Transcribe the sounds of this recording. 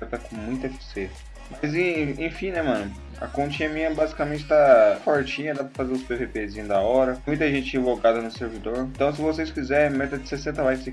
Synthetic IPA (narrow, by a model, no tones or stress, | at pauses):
ɾt̪akõmũj̃t̪ɐkises | majzẽẽfĩnɛmɐ̃nʊ | ɐ̰kõt͡ʃĩɲɐmĩɲɐɛbazikamẽt͡ʃɪ̥t̪afoɾt͡ʃĩɲɐd̪apɾɐfazeɾʊspewvepezĩɲʊd̪ɐɔɾɐmũj̃t̪ɐʒẽnt͡ʃɪĩvoɡad̪ɐnʊseɾvid̪oɾẽt̪ɐ̃w̃s̬ɪvosejskizɛɾẽj̃mɛt̪ɐd͡ʒɪsesẽnt̪ɐvajse